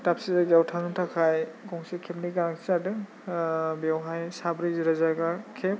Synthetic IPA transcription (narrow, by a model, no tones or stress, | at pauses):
tapsizazawtʰanɯntʰakʰajɡɔŋsekʰep̚niɡanaksadɯ | bawɦajsabɾizɯɾazaɡakʰep̚